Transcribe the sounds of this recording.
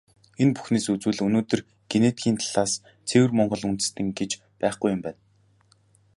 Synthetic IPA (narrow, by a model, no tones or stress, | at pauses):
enpu̥xneːsut͡suːɮɵnoːt̪ɵ̆r | ɡ̥enet̪ɡʲiːnt̪ʰḁɮ̥aːs | t͡sʰewɘ̆rmɔɴɢɞ̆ɮunt̪ɘ̥̆st̪ɘ̆ŋɡet͡ɕ | pæːχɡujʊmpæːn